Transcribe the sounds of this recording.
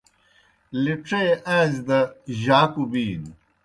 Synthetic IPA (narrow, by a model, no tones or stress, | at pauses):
liʈ͡ʂeeʔãːd͡ʑd̪ɐʑaːkubiːn